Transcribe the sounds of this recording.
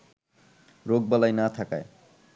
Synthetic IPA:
ɾoɡ̚balajnat̪ʰakae

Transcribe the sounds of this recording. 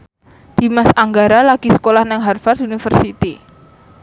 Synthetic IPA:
d̪̥i̤masaŋɡaɾalaɡ̥isə̥kolahnaŋɦarfart̪unifərsit̪i

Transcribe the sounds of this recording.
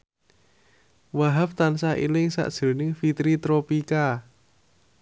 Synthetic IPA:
waɦapt̪ansaʔḭlɪŋsa̰ʔd̥ʒ̥o̤nɪŋfit̪ɾit̪ɾopika

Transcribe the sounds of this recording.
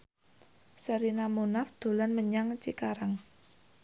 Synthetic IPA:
səɾinamunafd̪̥o̤lanməɲaŋt͡ʃikaɾaŋ

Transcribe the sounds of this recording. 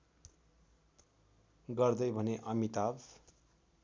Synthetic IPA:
ɡʌrd̪ʌjbʱʌneʔʌmit̪ab

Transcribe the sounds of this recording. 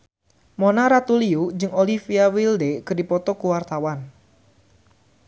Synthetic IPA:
mɔnaɾat̪uliud͡ʒɨŋolifiawildekədipɔt̪ɔkuwart̪awan

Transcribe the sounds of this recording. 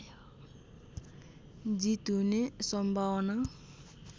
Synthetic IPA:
d͡zit̪unesʌmbʱawna

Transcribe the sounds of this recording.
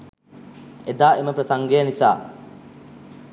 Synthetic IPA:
ed̪aːʔeməpɾəsaŋɡejənisa̰ː

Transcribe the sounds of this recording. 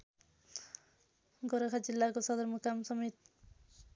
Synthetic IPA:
ɡoɾakʰad͡zilːakosʌd̪ʌɾmukamsʌmet̪̚

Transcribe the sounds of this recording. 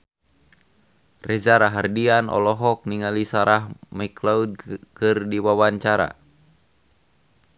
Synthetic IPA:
rɛzaɾaɦardianɔ̰lɔɦɔk̚niŋalisaɾahmaklaud̚kɨrdiwawaɲt͡ʃaɾa̰

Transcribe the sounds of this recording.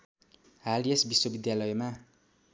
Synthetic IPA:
ɦaliesbiswobid̪jalʌjma

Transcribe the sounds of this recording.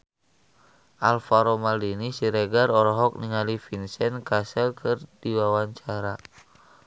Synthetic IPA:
ʔalfaɾomaldinisiɾɛɡaɾɔɾɔɦɔk̚niŋalifinsɛnkasɛlkʰɨrdiwawaɲt͡ʃaɾa

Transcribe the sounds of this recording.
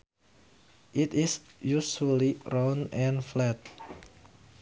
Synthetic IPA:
ʔitisjuʃuəliɹãnɛ̃nflɛt̚

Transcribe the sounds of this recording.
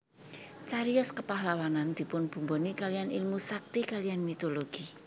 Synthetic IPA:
t͡ʃaɾiɔskəpahlawanand̪̥i̤pʊnb̥ṳmbonikalianilmusak̚t̪ikalianmit̪oloɡ̥i

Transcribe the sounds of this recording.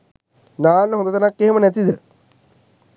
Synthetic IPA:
naːnːɦond̪ɐt̪ɐnakːeɦemənɛt̪id̪ə

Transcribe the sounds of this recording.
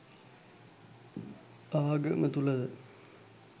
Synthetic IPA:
aʋaɡəmət̪ulɐd̪ə

